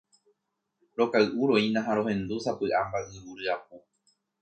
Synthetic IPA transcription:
ɾo̞kaɨʔuɾo̞inãɦaɾo̞hẽ̞nd̪usapɨʔambaʔɨwuɾɨap̚u

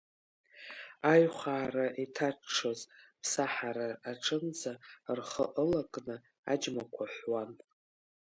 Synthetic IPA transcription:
ajχʷaːraʔitʰaʂʰozpʰsaħaɾaːʈ͡ʂʰɨnd͡zarχəʔəlakʼnɨ | a̰d͡ʒmakʷʰaħʷwan

